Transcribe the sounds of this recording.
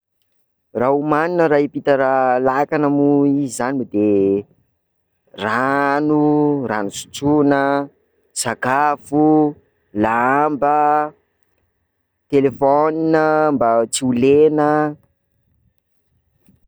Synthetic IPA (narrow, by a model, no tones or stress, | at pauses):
raumaninəɾaipit̪əɾalakanəmuiizanimid̪e | ranura̰nusu̥t͡sunə | saɡafu | laambə | t̪elefɔninəmbat͡siulenə